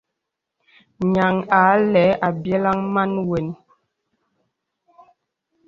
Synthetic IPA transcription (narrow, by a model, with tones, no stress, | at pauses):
ɲa˨ŋa˨˦lɛ˨˦ʔa˨bjɛ˦la˦ŋma˦nwe˨n